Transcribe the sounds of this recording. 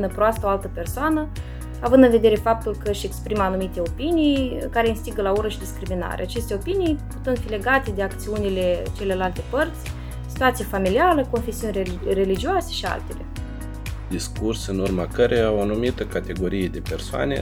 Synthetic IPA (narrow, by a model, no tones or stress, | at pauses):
nəpɾoast̪əoalt̪əpersoanə | avɨnd̪ɨnve̞d̪e̞ɾe̞fap̚t̪ulkəʃʲe̞kspɾimanumit̪e̞o̞pinijkaɾe̞iɨnst̪iɡəlauɾəʃid̪iskɾimina̰ɾeat͡ʃe̞st̪eo̞pinijput̪ɨnt̪file̞ɡat̪e̞d̪e̞akt̪siunile̞t͡ʃe̞lelalt̪e̞pərt̪sʲ | si̥t̪uat̪sijafamiliaɾəko̞nfe̞siunʲere̞lid͡ʒiuwase̞ʃia̰lt̪e̞le̞̰ | d̪iskursɨnurmakəɾejaoanumit̪əkat̪e̞ɡo̞ɾije̞d̪e̞persoa̰nḛ